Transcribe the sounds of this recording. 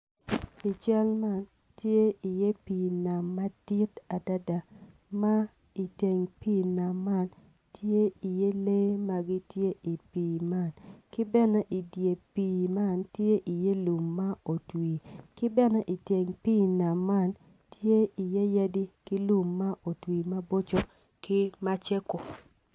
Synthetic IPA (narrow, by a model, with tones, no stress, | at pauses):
i˨t͡ʃɛ˦lma˦˨n | tje˦i˨je˦pi˨na˨mːa˦d̥i˦ta˨da˦da˨ | ma˦ | i˨te˨ŋpi˦˨na˨mːa˦˨n | tje˦i˨je˦le˦ma˦ɡi˦tje˦ʔi˨piː˨ma˦˨nkɪ˦bɛ˦nɛ˦ʔi˨dje˨piː˨ma˦˨ntje˦ʔi˨je˦lu˨mːa˦o˨twi˨kɪ˦bɛ˦nɛ˦ʔi˨te˨ŋpi˦˨na˨mːa˦n | tje˦i˨je˦ja˦di˦kɪ˦lu˨mːa˦ʔo˨twiː˨ma˦bo˦t͡ʃo˦ | kɪ˦ma˦t͡ʃe˦ko˨